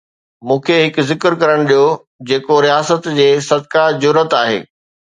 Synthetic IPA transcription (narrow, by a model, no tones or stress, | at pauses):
mũːkʰeɦɪkzɪkɪɾkɐɾəɽ̃ɗijo | d͡ʑeːkoɾijaːsət̪d͡ʑeːsɐd̪̚kad͡ʑʊɾət̪aːɦḛː